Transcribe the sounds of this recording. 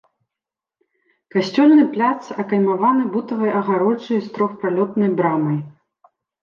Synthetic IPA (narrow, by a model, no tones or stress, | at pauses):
kasʲt͡sʲɔlʲnɨplʲat̪sɐkɐjmavanɨbut̪ɐvɐjʔɐɣaɾɔt͡ʂɐjst̪ɾɔxpɾalʲɔt̪nɐjbɾamɐj